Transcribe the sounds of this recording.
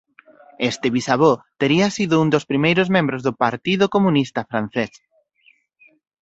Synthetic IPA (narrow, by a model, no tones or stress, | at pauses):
est̪ɪβisaβot̪eɾiasiðʊund̪ospɾimejɾʊzmẽmbɾozðopaɾt̪iðokomũnist̪afɾan̟θes